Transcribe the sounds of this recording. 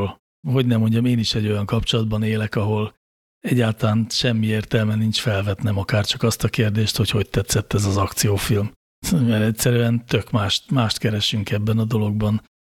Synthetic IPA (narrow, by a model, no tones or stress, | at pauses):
l | ɦo̞ɟnɛmːo̞ɲɟɒmeːniʃɛɟːo̞jɒŋkɒpt͡ʃo̞lɒd̪̚bɒneːlɛkɒɦo̞l | ɛɟːaːlt̪ɒlaːnʃɛmːieːrt̪ɛlmɛnint͡ʃfɛlvɛt̪nɛmɒkaːrt͡ʃɒkɒst̪ɒkeːrd̪eːʃt̪ho̞cho̞c̚t̪ɛt̪sɛt̪ːɛzɒzɒkt̪sijoːfilm | mɛɾɛtʲsɛɾyɛnt̪økmaːʃt̪maːʃt̪kɛɾɛʃyŋkɛbːɛnɒd̪o̞lo̞ɡ̚bɒn